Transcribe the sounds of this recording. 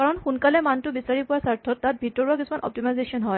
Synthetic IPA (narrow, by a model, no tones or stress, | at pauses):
kaɹɔnxunkalɛmantʊbisaɹipʊwasaɹtʰɔtːat̚bʱitɔɹuakisumanʔɔ̰p̚timajzesiɔnɦɔj